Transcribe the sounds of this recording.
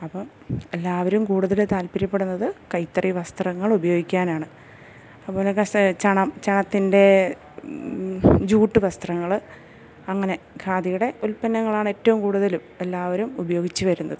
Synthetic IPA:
ɐpːɐm | e̞lːaːʋɐɾumkuːɽuðɐlt̪aːlpiɾɐpːe̞ɽunːɐðɨkɐjt̪ːriʋɐst̪rɐŋːɐɭubɐjo̞ːɡikʲːaːnaːɳɨ | ɐpːoːlɐt͡ɕɐɳɐmt͡ɕɐɳɐt̪ːinde̞ | d͡ʑuːʈːɨʋɐst̪rɐŋːɐɭ | ɐŋːɐne̞ | kʰaːd̪ijuɽe̞ʔulpɐnːɐŋːɐɭaːɳɨe̞ːtːɐʋumkuːɽuðɐlume̞lːaːʋɐɾumubɐjo̞ːɡit͡ɕːɨʋɐɾunːɐðɨ

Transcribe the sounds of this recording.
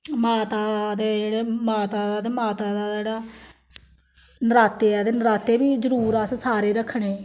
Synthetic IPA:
maːt̪aːd̪eːd͡ʒeːɽeːmaːt̪aːad̪eːmaːt̪aːd̪aːd͡ʒeːɽaː | nəɾaːt̪eːaːd̪eːnəɾaːt̪eːbiːzəɾuːɾassaːɾeːɾəkʰɳ̃eː

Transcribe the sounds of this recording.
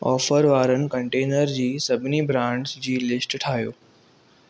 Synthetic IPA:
ɔːfəɾʋaːɾənɪ̆kɐ̃ɳʈeːnəɾd͡ʑiːsɐbʱɪnibɾãːɳɖsd͡ʑiːlɪsʈʈʰaːɦjo̰ː

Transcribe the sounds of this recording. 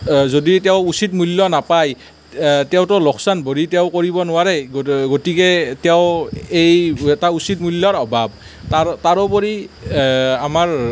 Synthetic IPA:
zoditɛʊusit̚mulːɔnapaj | tɛʊtɔlɔkʰsanboɹitɛʊkoɹibɔnʊwaɹɛɡɡotikɛtɛʊejɛtausitmulːɔɹɔbʱab̚ | tataɹɔpɔɹi | amaɹ

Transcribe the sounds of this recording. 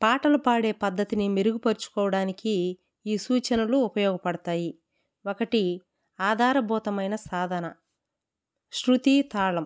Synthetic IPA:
paːʈɐlupaːɽe̞ːpɐd̪ʱːɐt̪inimeɾuɡupɐɾut͡ʃu̥kɔːʋɐɽaːnikiː | suːt͡ʃɐnɐluːpɐjɔːɡɐpɐɽɐt̪aːji | wokɐʈi | aːd̪ʱaːɾɐbʱɔːt̪ɐmɐjnɐsaːd̪ʱɐnɐ | ʃɾut̪it̪aːɭɐm

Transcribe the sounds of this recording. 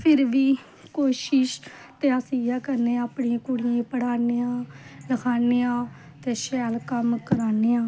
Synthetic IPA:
pʰɪɾʋiː | koːʃɪʃ | t̪eːaːsijaːkəɾneːaːpɳiãːkʊɽɪjẽːpəɽaːneːãːləkʰaːneːãː | t̪eːʃɛːlkəmkəɾaːneːãː

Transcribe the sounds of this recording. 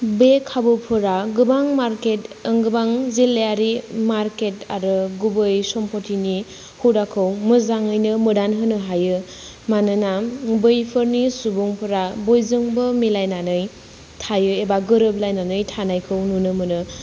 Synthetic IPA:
bekʰabɯpʰɯɾaɡɯbaŋmaɾketɯŋɡɯbaŋzilːejaɾimaɾketa̰ɾɯɡubɯjsɔmpʰotʰini | huwdakʰɯwmɯzaŋɯjnɯmɯdanɦɯnɯɦajɯ | manɯnabɯjpʰɯɾnisubuŋpʰɯɾabojzɯŋbɯmilajnanɯj | tʰajɯebaɡɯɾɯb̚lajnanɯjtʰanajkʰɯwnunɯmɯnɯ

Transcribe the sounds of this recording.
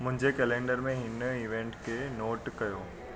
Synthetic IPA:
mʊ̃ɦɪ̃ɲd͡ʑekɛːlẽːɳɖəɾmẽɦɪniːʋẽːɳʈkʰenoːʈkɐjoː

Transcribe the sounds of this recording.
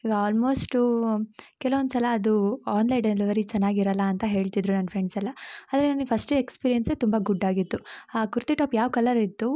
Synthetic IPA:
iɡɐaːlmo̞ːsʈ | kɛlɐʋond̪usɐlɐːd̪uaːnlɐjɖeliʋɐɾit͡ʃɐnːaːɡiɾɐlːɐːnt̪ɐɦe̞ːɭt̪id̪ɾunɐnːfɾeɳɖsɐlːɐaːd̪ɐɾenɐnpʰɐsʈekspiːɾijenset̪umbɐɡuɖːaːɡit̪ːuaːkuɾt̪iʈaːpjaːʋkɐlɐɾit̪ːu

